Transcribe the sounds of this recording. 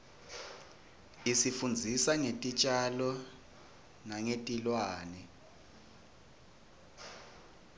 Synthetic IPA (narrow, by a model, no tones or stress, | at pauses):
isifund͡zʱisaŋetʼit͡ʃʼalɔ | naŋetʼilwaːnɛ